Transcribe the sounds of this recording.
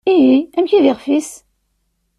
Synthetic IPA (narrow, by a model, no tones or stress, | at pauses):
ijiæmçiðɪʁfis